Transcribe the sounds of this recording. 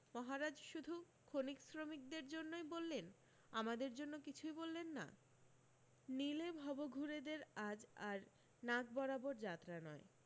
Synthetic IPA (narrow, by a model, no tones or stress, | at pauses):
mɔɦaɾad͡ʑʃud̪ʱu | kʰoniksɾomik̚d̪eɾd͡ʑonːojbolːen | amad̪eɾd͡ʑonːokit͡ɕʰujbolːenːa̰ | nilebʱɔboɡʱuɾed̪eɾad͡ʑaɾ | naɡbɔɾaboɾd͡ʑat̪ːɾanɔe